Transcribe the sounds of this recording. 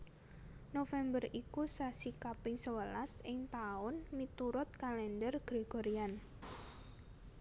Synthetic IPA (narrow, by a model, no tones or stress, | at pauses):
nofɛmbərikusasikapɪŋsəwəlasɪŋt̪aʊnmit̪uɾʊt̪̚kalɛndərɡ̥ɾeɡ̥oɾian